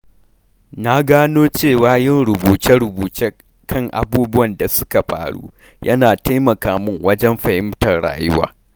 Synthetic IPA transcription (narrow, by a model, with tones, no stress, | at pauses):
na˦ɡaː˦noː˦t͡ʃeː˦˨waː˦jɪ˦˨nɾʊ˨buː˨tɪ˦ɽʊ˨buː˨t͡ʃeː˦ | kʰɐ˦˨ŋʔa̰˨buː˦bʊ˦wɐ˨nda˨sʊ̥˦ka˨ɸa̰ː˨ɽṵː˦ | jʔɐ̰˦naː˨taː˦mɐ˨kaː˨mʊ˦ŋwɐ˦d͡ʒɛ˦mɸɐ˨hɪ˦mtɐ˨rɽa̰ː˨jʊ˦wa̰ː˨